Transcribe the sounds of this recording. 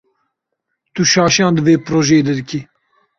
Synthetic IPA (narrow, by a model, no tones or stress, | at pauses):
t̪uʃɑːʃijɑ̃ːnd̪əveːpɾoːʒeːd̪ɛd̪ɨkʰi